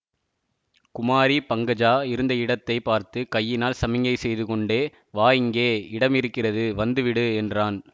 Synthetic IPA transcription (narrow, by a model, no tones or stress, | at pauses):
kʊmaːɾipɐŋɡɐd͡ʒaːɪɾɯnd̪ɐɪɽɐt̪ːɐɪpaːɾt̪ɯkɐjːɪnaːlsɐmɪŋɡɐɪsɛjðɯkɔɳɖeː | ʋaːjɪŋɡeːɪɽɐmɪɾɯkːɪrɐðɯʋɐnd̪ɯʋɪɽɯɛndraːn